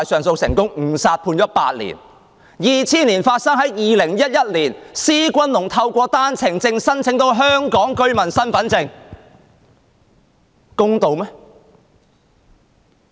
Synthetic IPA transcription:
a˨jsœː˨ŋso˧wsɪ˨˩ŋkʊ˥ŋŋ̩˨˩saː˧t̚pʰuː˧njɔː˨˦˥pa̰ː˧t̚lḭ˨˩n | jiː˨˧t͡sʰiː˥nliː˨˩nfaː˧t̚sɐ˥ŋɦɐ˨˥jjiː˨˧lɪ˨˩ŋjɐ˥t̚jɐ˥t̚liː˨˩nsiː˥kʷɐ˥nlʊ˨˩ŋt̪ʰɐ˧wkʷɔː˧t̪aː˥nt͡sʰɪ˨˩ŋt͡sɪ˧ŋsɐ˥nt͡sʰɪ˨˥ŋt̪o˧wɦœː˥ŋkɔː˨˥ŋkɵ˥ɥmɐ˨˩nsɐ˥nfɐ˨˥nt͡sɪ˧ŋ | kʊ˥ŋt̪o˨˧wmɛː˦˥

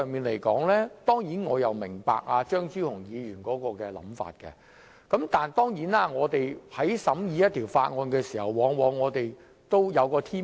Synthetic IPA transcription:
ŋmiː˨˩nle˨˩jkɔ̰ː˨˥ŋlɛː˥t̪ɔː˥ŋjiː˨˥nŋɔː˨˧jɐ˨wmɪ˨˩ŋpa̰ː˧k̚aː˧t͡ʃœː˥ŋt͡siː˥whʊ˨˩ŋjiː˨˧ɥyː˨˩nkɔː˨˥kɔː˧kɛː˧lɐ̰˨˥mfa̰ː˧t̚kɛ̰˧ | kɐ˨˥mt̪aː˨nt̪ɔː˥ŋjiː˨˥naː˥ŋɔː˨˧t̪e˨jhɐ˨˥jsɐ˨˥mjiː˧jɐ˥t̪ʰiː˨˩wfaː˧t̚ŋɔː˧nkɛː˧siː˨˩hɐ˨˩wwɔː˨˧ŋwɔː˨˧ŋːɔː˨˧t̪e˨j | t̪o˥wjɐ˨˧wkɔː˧t̪ʰiː˥

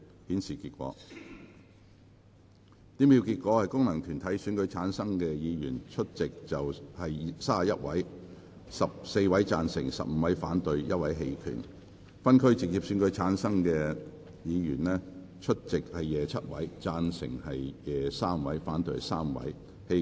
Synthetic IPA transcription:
hiː˨˥nsiː˨˩kiː˧t̚kʷɔ̰ː˨˧˥ | t̪iː˨˥miː˨˧wkiː˧t̚kʷɔː˨˥hɐ˨jkʊ˥ŋnɐ˨˩ŋt̪ʰyː˨˩nt̪ʰɐ˨˥jsyː˨˥nkɵ˨˧ɥt͡sʰaː˨˥nsɐ˥ŋkɛː˧jiː˨˧jyː˨˩nt͡ʃʰɵ˥t̚t͡sɪ˨k̚t͡sɐ˨whɐ˨jsaː˥jɐ˥t̚wɐ̰˨˥j | sɐ˨p̚se˧jwɐ˨˥jt͡saː˧nsɪ̰˨˩ŋsɐ̰˨p̚m̩˧wɐ˨˥jfaː˨˥nt̪ɵ˨˧ɥjɐ˥t̚wɐ˨˥jɦe˧jkʰy̰˨˩n | fɐ˥nkʰɵ˥ɥt͡sɪ˨k̚ji˨p̚syː˨˥nkɵ˨˧ɥt͡sʰaː˨˥nsɐ˥ŋkɛ˧ | jiː˨˧jyː˨˩nlɛː˥ | t͡ʃʰɵ˥t̚t͡sɪ˨k̚hɐ˨jːɛː˨t͡sʰɐ˥t̚wɐ̰˨˥jt͡saː˧nsɪ̰˨˩ŋhɐ˨jjɛː˨˩saː˥mwɐ˨˧˥jfaː˨˥nt̪ɵ˧ɥsaː˥mwɐ̰˨˥j | he˧

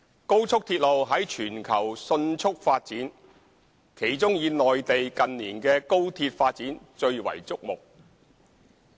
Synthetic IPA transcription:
ko˥wt͡sʰʊ˥k̚t̪ʰiː˧t̚lo˨wɦɐ˨˥jt͡ʃʰyː˨˩nkʰɐ˨˩wsɵ˧nt͡sʰʊ˥k̚faː˧t̚t͡siː˨˥n | kʰe˨˩jt͡sʊ˥ŋjiː˨˧nɔː˨jt̪e˨jkɐ˨nniː˨˩nkɛː˧ko˥wt̪ʰiː˧t̚faː˧t̚t͡siː˨˥nt͡ʃɵ˧ɥwɐ̰˨˩jt͡sʊ˥k̚mʊ˨k̚

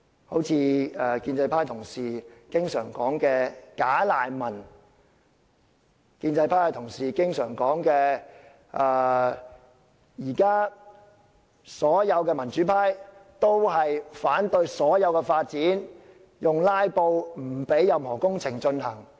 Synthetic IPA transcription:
ho˨˥wt͡sʰiː˧ɛː˧˩kiː˧nt͡sɐ˧jpʰaː˥jt̪ʰʊ˨˩ŋsiː˨kɪ˥ŋsœː˨˩ŋkɔː˨˥ŋkɛː˧kaː˨˥laː˨˩jmɐ˨˩n | kiː˧nt͡sɐ˧jpʰaː˥jt̪ʰʊ˨˩ŋsiː˨˩kɪ˥ŋsœː˨˩ŋkɔː˨˥ŋkɛː˧ | ʔɛː˧ | jiː˨˩kaː˥ | sɔː˨˥jɐ˨˧wkɛː˧mɐ˨˩nt͡ʃy˨˥pʰaː˥jt̪o˥wɦɐ˨jfaː˨˥nt̪ɵ˧ɥsɔː˨˥jɐ˨˧wkɛː˧faː˧t̚t͡siː˨˥n | jʊ˨ŋlaː˥jpo˧wm̩˨˩pe˨˥jːɐ˨mhɔː˨˩kʊ˥ŋt͡sʰɪ˨˩ŋt͡ʃɵ˧nhɐ˨˩ŋ

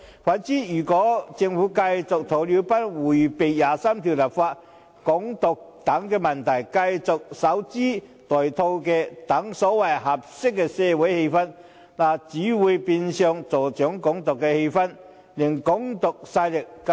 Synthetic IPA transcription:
faː˨˥nt͡siː˨˥jyː˨˩kɔː˨˥t͡sɪ˧ŋfu˨˥kɐ˧jt͡sʊ˨k̚t̪ʰo˨˩wli˨˥wpɐ˥t̚wuː˨˩jpe˨jjaː˨saː˥mt̪ʰi˨wlɐ˨˩p̚faː˧t̚ | kʊ˨˥ŋt̪ʊ˨k̚t̪ɐ˨˥ŋkɛː˧mɐ˨˩nt̪ʰɐ˨˩jkɐ˧jt͡sʊ˨k̚sɐ˨˥wt͡siː˥ | t̪ɔː˨˩jt̪ʰo˧wkɛː˧t̪ɐ˨˥ŋsɔː˨˥wɐ˨jɦɐ˨˩p̚sɪ˥kːɛː˧sɛː˧wɐ˨˥jhe˧jfɐ˥n | naː˨˩t͡siː˨˥wuː˨˧jpiː˧nsœː˧ŋt͡so˨wt͡ʃœː˨˥ŋkʊ˨˥ŋt̪ʊ˨kːɛ˧he˧jfɐ˥n | lɪ˨˩ŋkʊ˨˥ŋt̪ʊ˨k̚saː˧jlɪ˨k̚ː

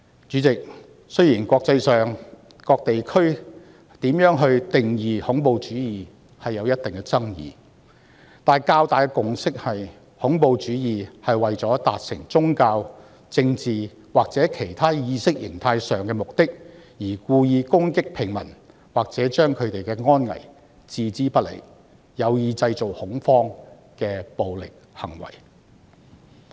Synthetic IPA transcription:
t͡ʃyː˨˥t͡sɪ˨k̚ | sɵ˥ɥjiː˨˩nkɔː˧k̚t͡sɐ˧jsœː˨˩ŋ | kɔː˧k̚t̪e˨jkʰɵ˥ɥ | t̪iː˨˥mjœː˨˥ŋɦɵ˧ɥt̪ɪ˨ŋjiː˨hʊ˨˥ŋpo˨wt͡ʃyː˨˥jiː˨˩ | hɐ˨jːɐ˨˧wjɐ˥t̪̚ɪ˨ŋkɛ˧t͡sɐ˥ŋjḭː˨˩ | t̪aː˨˩nkaː˧wt̪aː˨jkɛ˧kʊ˨ŋsɪ˥k̚hɐ˨j | hʊ˨˥ŋpo˨˧wt͡ʃyː˨˥jiː˨hɐ˨jwɐ˨jt͡sɔː˨˥t̪a̰ː˨t̚sɪ˨˩ŋt͡sʊ˥ŋkaː˧w | t͡sɪ˧ŋt͡siː˨ | waː˨k̚t͡sɛː˨˥kʰe˨˩jt̪ʰaː˥jiː˨˧sɪ˥k̚jɪ˨˩ŋt̪ʰaː˧jsœː˨ŋkɛː˧mʊ˨k̚t̪ɪ˥k̚jiː˨˩kuː˧jiː˧kʊ˥ŋkɪ˥k̚pʰɪ˨˩ŋmɐ̰˨˩n | waː˨k̚t͡sɛː˨˥t͡ʃœː˥ŋkʰɵ˨˧ɥt̪e˨jkɛː˧ŋɔː˥nŋɐ̰˨˩j | t͡siː˨˧t͡siː˥pɐ˥t̚lḛ˨˩j | jɐ˨˧wjiː˨˧t͡sɐ˧jt͡so˨whʊ˨˥ŋfɔː˥ŋ | kɛː˧po˨wlɪ̰˨k̚hɐ̰˨˩ŋwɐ̰˨˩j

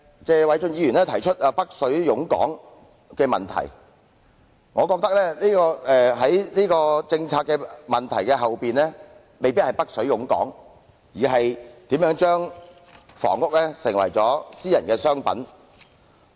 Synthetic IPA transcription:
t͡sɛː˧wɐ˨˧jt͡sɵ˧ŋjiː˨˧jyː˨˩nlɛː˥t̪ʰɐ˨˩jt͡ʃʰɵ˥t̚a˧pɐ˥k̚sɵ˨˥ɥjʊ˨˥ŋkɔ̰ː˨˥ŋ | kɛː˧mɐ̰˨nt̪ʰɐ̰˨˩j | ŋɔː˨˧kɔː˧k̚t̪ɐ˥k̚lɛː˥liː˥kɔː˧ɛ˨ɦɐ˨˥jniː˥kɔː˧t͡sɪ˧ŋt͡sʰaː˧kːɛː˧mɐ˨˩nt̪ʰɐ˨˩jkɛː˧ɦɐ˨wpiː˨nlɛː˥ | me˨jpiː˥t̚hɐ˨jpɐ˥k̚sɵ˨˥ɥjʊ˨˥ŋkɔ̰ː˨˥ŋ | jiː˨˩ɦɐ˨jt̪iː˨˥mjœː˨˥ŋt͡ʃœː˥ŋ | fɔ̰ː˨˩ŋːʊ˥k̚lɛ˥sɪ˨˩ŋwɐ̰˨˩jt͡sɔː˨˥siː˥jɐ˨nkɛː˧sœː˥ŋpɐ̰˨˥n

